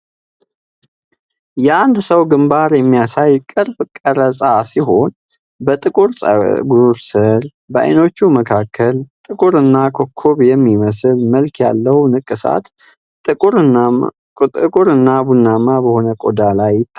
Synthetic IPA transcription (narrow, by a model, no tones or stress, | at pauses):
jɛand̪səwɡɨmbaɾjɛmːijasajkʼɨɾbkʼəɾəsʼasiɦo̞n | bət̪ʼɨkʼuɾsʼə̰ɡuɾsəɾ | bəʔa̰jno̞t͡ʃːuməkʰakʰːəlt̪ʼɨkʼuɾɨnːakʰo̞kʰːoβjɛmːiməsɨlməlkʰja̰lːəhwnɨkʼːɨsa̰t̪ | ɨkʼuɾɨnːabunːamabəho̞nəkʼod̪alajːɪt̪ʰːa